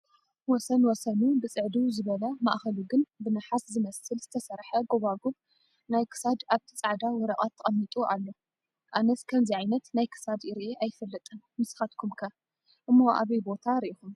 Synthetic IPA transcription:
wɔsɐnwɔsɐnubɨt͡sʼɨʕd̪uzɨβɐlɐma̰ʔxɐluɡɨnbɨnɨħaszɨmɐsɨlz̥ɨt̪ʰɐsɐɾħɐɡo̞βaɡuβ | najkʰɨ̥sad̪aβt̪ʰɐt͡sʼaʕd̪awɔɾɐkʼat̪ʰːɐχʼɐmːit̪ʼuʔalːo̞ | ʔanɐskʰɐmziʕajnɐt̪najkʰɨ̥sad̪iɾiʔeʔajfɐlːɐt̪ʼɨn | mɨsxat̪kʰumkʰɐ | ʔɨmːo̞ʔa̰βɐjbo̞t̪ʰaɾiʔixum

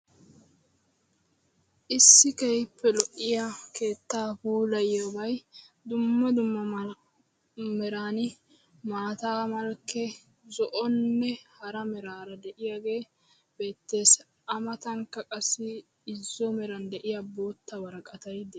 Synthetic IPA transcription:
ʔɪsːɪkɛjpːɛlɔʔːɪjakʰe̞ːt̪ːaːbuːlɐjabɐj | d̪ʊmːɐd̪ʊmːɐ | mɛɾaːnɪ | maːt̪aːmɐlkːɛ | zɔʔɔnːɛhɐɾɐmɛɾaːɾɐd̪ɛʔɪjaɡe̞ː | b̥e̞ːt̪ːe̞ːs | ʔɐmɐt̪ɐŋkːɐkʼɐsːɪ | ɪzːɔmɛɾɐnd̪ɛʔɪjabo̞ːt̪ːɐwɐɾɐkʼɐt̪ɐjd̪ɛ

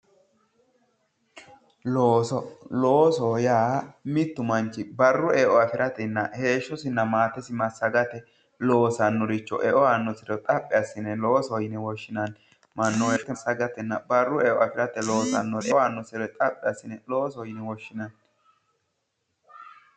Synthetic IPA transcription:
loːsɔloːsɔjaːmɪt̪ːʊmɐnt͡ʃːɪbɐrːʊeʔɔɐfɪɾʔɐt̪ɛnːɐhe̞ːʃːɔsɪnːɐmaːt̪ɛsɪmɐsːɐɡɐt̪ɛ | lo̞ːsɐnːɔɾɪt͡ʃːɔ̰ʔɛʔɔanːɔsɪɾɔt̪ʼɐpʼːɪɐsːɪnɛloːsɔjɪnɛwɔʃːɪnɐn | mɐnːɔɛt̪ːɛsːɐɡɐt̪ɛnːɐbɐrːʊɛʔɔɐfɪɾɐt̪ɛlo̞ːsɐ̰nːɔɾɛwaːnːɔsɪɾɔt̪ʼɐpʼːɪɐsːɪnɛloːsɔjɪnɛwɔʃːɪnɐn

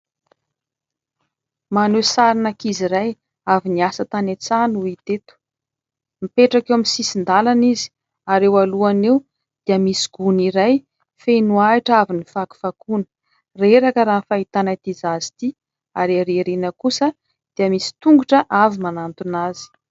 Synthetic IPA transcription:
manesaɾinakiziɾaj | aviniasət̪anet͡sanuit̪et̪u̥ | mipeʈ͡ʂakewaminsisind̪alanizi̥ | aɾewaluanew | d̪̥iəmisi̥ɡ̥uniɾaj | fenuaiʈ͡ʂavinifaku̥fakunə̥ | reɾakəɾaːnfait̪anət̪izazi̥t̪i | aɾaɾeɾenəkusə | d̪̥iəmisi̥t̪uŋɡuʈ͡ʂəʔavimanant̪unazi̥

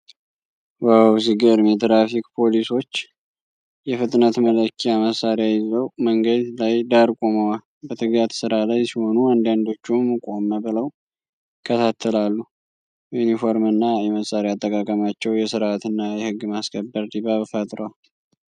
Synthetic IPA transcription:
wawsiɡəɾmɛt̪ɾafikpʰo̞liso̞t͡ʃː | jɛfɨt̪ʼnət̪mələkʰːiaməsaɾejajɪzəwməŋɡəd̪lajd̪aɾkʼoməwal | bət̪ʰɨɡjat̪sɨɾalajsiho̞nuand̪and̪o̞t͡ʃːumːkʼo̞mːəβɨləw | kʰət̪ʰat̪ʰːəlalːu | junifo̞ɾmɨnːajɛməsaɾeat̪ʼːəkʼakʼəmat͡ʃːɛwjɛsɨɾat̪ɨnːajɛhɨɡːmaskʰəbːəɾd̪iβaβfət̪ʼɾowal

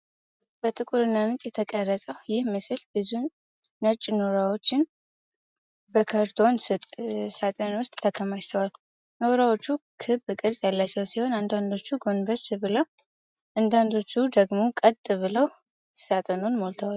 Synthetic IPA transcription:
b̥ət̪ʼɨkʼuɾɨnːanɨt͡ʃʼjɛt̪ʰəkʼərːəsʼəwjɪhmɨsɨlbɨzu | nət͡ʃʼːnoɾawo̞t͡ʃːɪn | bəkʰaɾt̪ʰo̞n | sat̪ʼənwʊst̪ʼːʰəkʰəmaʃt̪ʰəwal | noɾawo̞t͡ʃːukʰɨbɨkʼɨɾsʼjalːat͡ʃːɛwsiho̞nand̪and̪o̞t͡ʃːuɡo̞nvəɾsɨbɨləw | ʔand̪and̪o̞t͡ʃːud̪əɡmo̞kʼət̪ʼɨβɨləw | sat̪ʼənonmo̞lt̪ʰəwal

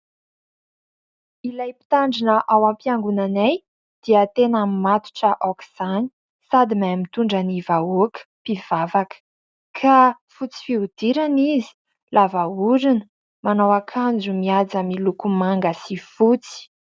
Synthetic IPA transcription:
ilajpi̥t̪aɳɖ͡ʐinəʔawampiaŋɡunanaj | d̪̥iat̪enamimat̪u̥ʈ͡ʂəʔokiz̥ani̥ | sad̪imajmit̪uɳɖ͡ʐanivaokə̥piv̥avakə̥ | kʰa | fut͡si̥fiud̪̥iɾanizi̥ | lʔavauɾinə | manawakʰand͡ʒumiad͡zamilukumaŋɡəsifut͡si̥

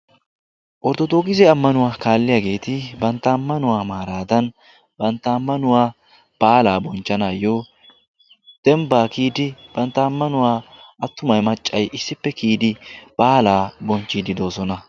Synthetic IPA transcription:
ʔɔɾd̪ɔd̪oːɡɪzɛɐmːɐnʊwaːkaːlːɪjaːɡe̞ːt̪ɪbɐnt̪ːɐːmːɐnʊwaːmaːɾaːd̪ɐn | bɐnt̪ːɐːmːɐnʊwaː | b̥aːlaːbɔnt͡ʃːɐnajoː | d̪̥ɛmbaːkiːd̪ɪb̥ɐnt̪ːɐːmːɐnʊwaːʔɐt̪ːʊmɐjmɐt͡ʃʼːɐjʔɪsːɪpːɛkiːd̪ɪb̥aːlaːbɔnt͡ʃːid̪ɪd̪o̞ːsɔnɐ

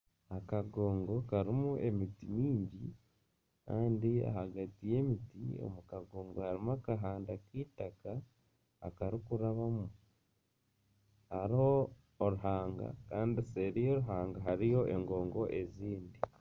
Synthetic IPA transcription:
akaɡo̞ːŋɡo̞kaɾimuʔe̞mitiɲiːɲɟi | ka̰ːndia̰haɡatije̞ːmitḭo̰mukaɡo̞ːŋɡohaɾimakaɦaːndakiːtaka̰ː | kaɾikuɾaβamu | haɾiho̞ː | ɾuɦaːŋɡa̰kaːndiseɾijo̞ɾuɦaːŋɡaɦaɾijo̞ʔe̞ŋɡo̞ːŋɡo̞ʔe̞ziːndi

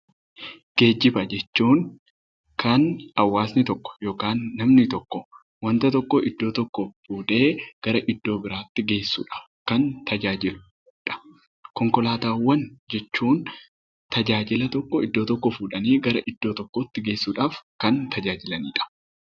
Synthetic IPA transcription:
ɡ̥e̞ːd͡ʒːɪbɐd͡ʒɛt͡ʃːuːŋ | kɐnɐwːaːsnɪt̪ɔkːɔ̥jo̞ːkaːnːɐmnɪt̪ɔkːɔ | wɐnt̪ɐt̪ɔkːɔʔɪd̪ːo̞ːt̪ɔkːɔfuːᶑ̪e̞ːɡ̥ɐɾɐʔɪd̪ːo̞ːbɪɾaːt̪ːɪɡe̞ːsːṵːᶑɐ̥ | kɐnt̪ʰɐd͡ʒaːd͡ʒɪlʊ | ᶑɐ̥ | kɔŋkɔlaːt̪aːwːɐnd͡ʒɛt͡ʃːuːn | t̪ɐd͡ʒaːd͡ʒɪlɐt̪ɔkːɔɪd̪ːo̞ːt̪ɔkːɔfuːᶑɐniːɡɐɾɐʔɪd̪ːo̞ːt̪ɔkːoːt̪ːɪɡe̞ːsːuːᶑaːfkɐnt̪ɐd͡ʒaːd͡ʒɪlɐniːᶑɐ̥

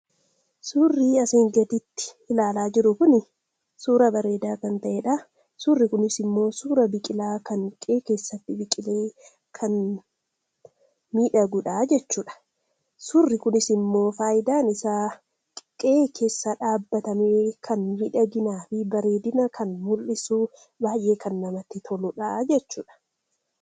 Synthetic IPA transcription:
suːrːiːɐseːŋɡɐt̪ɪt̪ːɪ̥ | ɪlaːlaːd͡ʒɪɾʊkʊnɪ | suːɾɐbɐɾe̞ːd̪aːkɐnt̪ɐʔeːᶑaː | suːrːɪkʊnɪsɪmːo̞ːsuːɾɐbɪkʼɪlaːkɐŋkʼeːke̞ːsːɐt̪ːɪbɪkʼɪleː | kʰɐn | miːᶑɐɡʊᶑaːd͡ʒɛt͡ʃːuːᶑɐ̥ | sʊrːɪkʊnɪsɪmːo̞ːfaːʔɪd̪aːnɪsaː | kʼeːkʰe̞ːsːɐᶑaːbːɐt̪ɐmeːkʰɐnmiːᶑɐɡɪnaːfɪbɐɾe̞ːd̪ɪnɐkʰɐnmʊlːɪsuː | baːjʔe̞ːkʰɐnːɐmɐt̪ːɪt̪ʰɔlʊᶑad͡ʒɛt͡ʃːuːᶑɐ̥

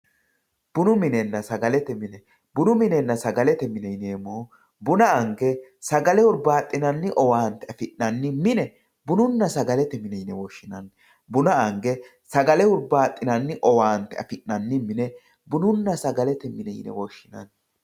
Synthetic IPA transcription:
b̥ʊnʊmɪnɛnːɐsɐɡɐlɛt̪ɛmɪnɛ | bʊnʊmɪnɛnːɐsɐɡɐlɛt̪ɛmɪnɛjneːmoː | bʊnɐɐŋɡɛsɐɡɐlɛʊɾbaːt̪ʼːɪnɐnːɪʔɔwaːnt̪ɛɐfɪʔnɐnːɪmɪnɛ | bʊnʊnːɐsɐɡɐlɛt̪ɛmɪnɛjnɛwɔʃːɪnɐn | bʊnɐɐŋɡɛ | sɐɡɐlɛʊɾbaːt̪ʼːɪnɐnːɪʔɔwaːnt̪ɛɐ̰fɪʔːɐnːɪmɪnɛ | bʊnʊnːɐsɐɡɐlɛt̪ɛmɪnɛj̰nɛ̰wɔʃːɪnɐ̰n

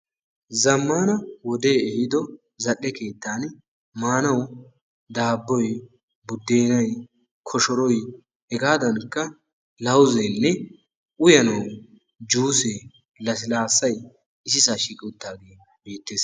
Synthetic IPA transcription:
zɐmːaːnɐwɔd̪e̞ːɛhɪd̪ɔ | zɐɗːɛke̞ːt̪ːaːn | maːnɐw | d̪aːbːɔj | bʊd̪ːe̞ːnɐj | kʰɔʃɔɾɔj | hɛɡaːd̪ɐnkːɐ | lɐwzɛnːɛ | ʔʊjɐnɐw | d͡ʒuːse | lɐsɪlaːsːɐj | ɪsɪsaʃiːkʼɪʊt̪ːaːɡeː | biːt̪ːeːs

